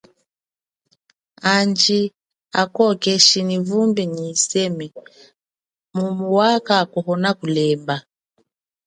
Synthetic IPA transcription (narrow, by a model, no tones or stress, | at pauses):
and͡ʒi | akɔkɛʃinivumbiɲisɛmi | mumuwakakɔhɔnakulɛmba